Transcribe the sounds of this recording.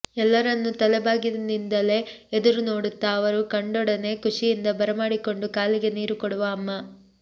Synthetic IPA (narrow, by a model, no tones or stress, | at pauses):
ɛlːɐɾɐnːut̪ɐlɛbaːɡid̪ɐnind̪ɐle̞ | ed̪uɾuno̞ːɽut̪ːɐːʋɐɾukɐɳɖɔɽɐne̞kuʂijind̪ɐbɐɾɐmaːɽiko̞ɳɖukaːliɡe̞niːɾukoɽuʋɐːmːɐ